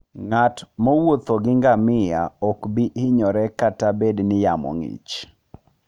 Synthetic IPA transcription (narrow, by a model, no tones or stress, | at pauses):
ŋatmɔwot̪ɔɡɪŋɡamɪja̰ɔkbiɪɲɔɾɛkatabednɪjamɔ̰ŋḭt͡ʃ